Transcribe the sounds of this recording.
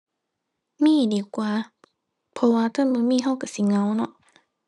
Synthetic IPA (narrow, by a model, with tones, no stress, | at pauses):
miː˧˥˨diː˨˦kwaː˨˦ | pʰɔ˧waː˧t̪ʰa˧˥˨nbɯː˧˦miː˧˥˨ɦa˧˥˨wka˧˩si˧˦ŋa˧˦wnɔ˧˦ʔ